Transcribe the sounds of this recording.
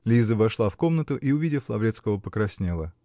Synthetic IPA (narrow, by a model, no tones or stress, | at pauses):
lʲizəvɐʂlˠafko̞mnət̪ʊʔiʊvʲidʲɪflˠɐvɾʲet̪skəvəpəkɾɐsʲnʲelˠə